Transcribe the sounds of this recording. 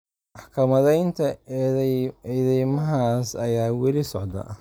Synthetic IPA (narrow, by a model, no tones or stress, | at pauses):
mɑħkʰɐmɐðɛjnt̪ʰɐ | ɛðɛjmɐɦaːsɐjaːwɛlɪsɔʕd̪ɐ̰